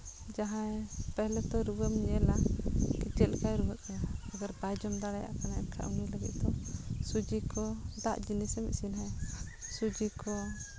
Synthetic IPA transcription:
d͡ʒaɦãjpɛɦlɛt̪ɔɾuwəmɲɛlakit͡ʃɛt̪̚lkajɾubət̪̚kaɲaːɡaɾbajd͡ʒɔmd̪aɽaja̰ʔkanaɛ̰nkʰa̰ʔṵŋiləɡḭt̪̚d̪ɔsud͡ʒikɔd̪aʔd͡ʒinisɛmḭʔsinɦajsud͡ʒikɔ

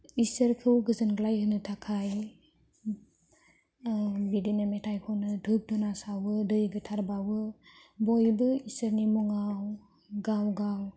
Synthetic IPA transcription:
isəɾkʰɯwɡɯzɯnɡlajhɯnɯtʰakʰaj | bidenametʰajkʰɔnɯdʰʱɯk̚dɔnasawɯdɯjɡɯtʰaɾbawɯ | bɔjbɯisəɾnimɔŋaw | ɡawɡaw

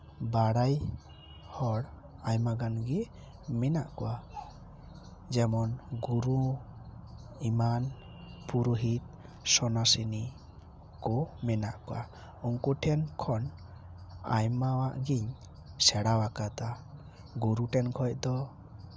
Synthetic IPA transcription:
baɽaj | hɔɽ | ajmaɡanɡi | mɛnaʔkɔwa | d͡ʒɛmɔnɡuɾu | iman | puɾuɦit̪̚ | sɔnasini | kɔmɛnaʔkɔwa̰ | uŋkuʈʰɛnkʰɔn | a̰jmawaʔɡiɲ | sɛɽawakat̪a | ɡuɾuʈɛnkʰɔc̚d̪ɔ

